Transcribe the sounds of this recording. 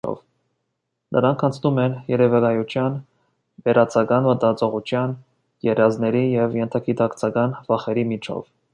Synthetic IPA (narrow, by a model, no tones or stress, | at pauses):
ɔ̰v | nʔə̰ɾɑŋkʰɑnt͡sʰnumɛnjɛɾɛvɛkɑjut͡ʃʰjɑn | vɛɾɑt͡sʰɑkɑnvət̪ɑt͡sɔʁut͡ʃʰjɑn | jɛrjɑznɛɾijɛvjɛnt̪ʰɑkit̪ɑkt͡sʰɑkɑnvɑχɛɾimit͡ʃʰɔ̰v